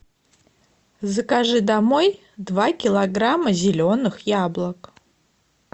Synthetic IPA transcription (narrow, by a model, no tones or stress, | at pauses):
zəkaʐɨd̪amoj | d̪vakʲɪlˠɐɡramːəzʲɪlʲonɨxjablˠək